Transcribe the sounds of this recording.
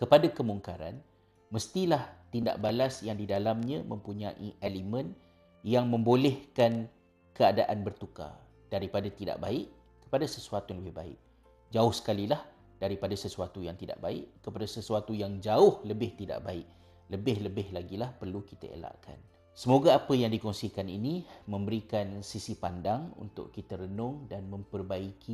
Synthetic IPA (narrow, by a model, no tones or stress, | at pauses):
kəpadakəmuŋkaɾa̰n | məst̪ilaht̪inda̰ʔ̚balasjaŋdidalamɲãmə̃mpuɲãʔiʔelimə̃n | jaŋmə̃mbolɛhkan | kəada̰ʔanbərt̪uka̰ | d̥aɾipadat̪ida̰ʔba̰ɪʔ | kə̥padasəsuat̪uləbɪhba̰ɪ̰ʔ | d͡ʒaʊhsə̥kalilah | d̥aɾipadasəsuat̪ujaŋt̪ida̰ʔbaɪ̰ʔkəpadasəsuat̪ujaŋd͡ʒaʊhləbɪht̪ida̰ʔbaɪʔ | ləbɪhləbɪhlaɡilahpərlukit̪ə̰ḛla̰ʔkʰa̰n | səmoɡaapəjaŋdikɔŋsikaninĩmə̃mbəɾikansisipandaŋṵnt̪ʊ̰ʔkit̪əɾənʊŋdanmə̃mpərbaikʰi